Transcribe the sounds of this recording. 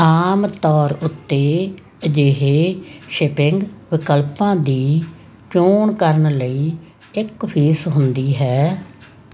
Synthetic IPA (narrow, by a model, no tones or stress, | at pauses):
aːmt̪ɔːɾʊt̪ːeː | d͡ʒeɦeːʃɪpɪŋɡʋɪkəlpãːd̪iː | t͡ʃoːɳkəɾəɳləiː | ɪkpʰiːsɦʊnd̪iːɦɛː